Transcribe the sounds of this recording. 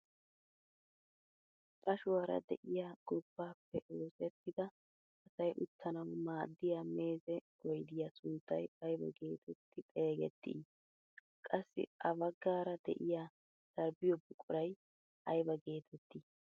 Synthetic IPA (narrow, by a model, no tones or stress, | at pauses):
kʼɐʃʊwaːɾɐ̰d̪ɛʔɪjaːɡ̥ɔb̥ːaːpːɛʔoːsɛt̪ːɪd̪ɐ | ʔɐsɐjʔʊt̪ːɐnɐwmaːd̪ːɪjaːme̞ːzɛ | ɔjd̪ɪjasʊnt̪ːɐjɐjbɐ̰ɡe̞ːt̪ʰɛt̪ːɪt̪ʼe̞ːɡɛ̰t̪ːɪ̰ | kʼɐsːɪ̰ɐbɐɡːaːɾɐd̪ɛ̰ʔɪjaː | d̥ɐɾbɪjɔbʊkʼɔɾɐj | ʔɐjbɐɡe̞ːt̪ʰɛt̪ːi